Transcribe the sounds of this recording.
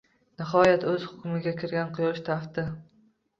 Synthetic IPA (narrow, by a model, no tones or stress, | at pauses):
nɪɦɒjat̪ɵz̥hʊ̥kʲʊmɪɡʲakʲʰɪɾɡʲanqʰʊjɒʃt̪ʰaft̪ɪ